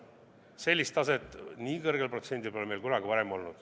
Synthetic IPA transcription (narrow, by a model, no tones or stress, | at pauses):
se̞lʲːist̪ɑset̪ːˑniːkɤrɡepro̞t̪se̞nʲd̪ilpo̞leme̞lkunɑɡivɑɾemo̞lnud̪̥